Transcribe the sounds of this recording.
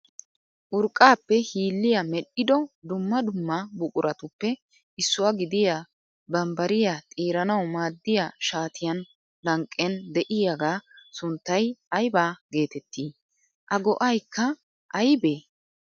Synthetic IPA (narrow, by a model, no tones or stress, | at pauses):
ʔʊɾkʼːaːpːɛhiːlːɪjɐmɛɗːɪd̪ɔd̪ʊmːɐd̪ʊmːɐbʊkʼʊɾʔɐt̪ʊpːɛ | ɪsːʊwɐɡɪd̪ɪja | bɐmbɐɾɪjat̪ʼiːɾɐnɐwmaːd̪ːɪjaʃaːt̪ʰɪjɐn | lɐŋkʼːɛnd̪ɛʔɪjaɡaːsʊnt̪ːɐjɐjbaːɡe̞ːt̪ɛt̪ːiː | ʔɐɡɔʔɐjkːɐ | ʔɐjbeː